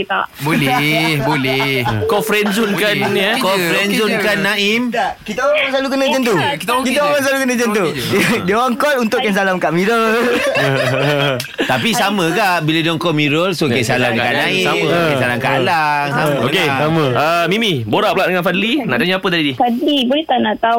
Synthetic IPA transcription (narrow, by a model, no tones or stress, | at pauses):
a̰ʔbolɛhbolɛhkɔfɾɛnzʊnkanjəkɔfɾɛnzʊnkanːaimakit̪aŋãŋsalukənəd͡ʒənt̪̬ukit̪kit̪aamansalukənə̃d͡ʒənt̪udiaŋkɔlunt̪ʊʔkans̬alamkaʔmiɾol | t̪apisamə̃kaʔbiladiaŋkɔmiɾɔlsokansalamkanaisammãasalaŋkalaŋabokeasaməəmimiboɾaʔplaʔdəŋãnfadlina̰ʔdaɲãapət̪adidit̪aibolɛht̪anaʔt̪au